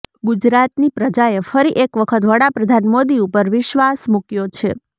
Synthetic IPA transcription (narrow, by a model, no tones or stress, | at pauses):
ɡud͡ʒɾat̪nipɾəd͡ʒaefəɾiʔekʋəkʰət̪ʋəɽapɾəd̪ʱanmod̪iupəɾʋɪʃʋasmukjot͡ʃʰḛ